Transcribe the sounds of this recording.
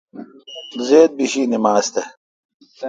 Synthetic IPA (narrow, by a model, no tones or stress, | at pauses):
zeːd̪̚biɕiːnimaːst̪e